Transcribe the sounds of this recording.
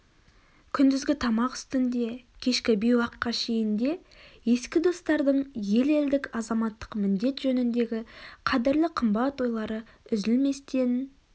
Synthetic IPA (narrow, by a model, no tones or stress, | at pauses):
kʲʰʏnd̪ɪzɡʲɪt̪ʰɑmɑqʏ̥st̪ɪnd̪e̞kʲʰe̞ʃkʲɪbejwɑqːɑʃe̞jɪnd̪e̞ | je̞skʲɪd̪o̞st̪ɑɾd̪əɴje̞leld̪ɪkɑzɑmɑt̪ːə̥qmɪnd̪e̞t̪ʒ̥ɵnɪnd̪e̞ɡʲɪqʰɑd̪ɪɾlɪqʰəmbɑt̪wo̞jlˠɑɾə | ʏzɪlme̞st̪e̞n